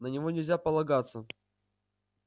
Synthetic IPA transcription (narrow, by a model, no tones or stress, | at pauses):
nənʲɪvo̞nʲɪlʲzʲapəlˠɐɡat̪sːə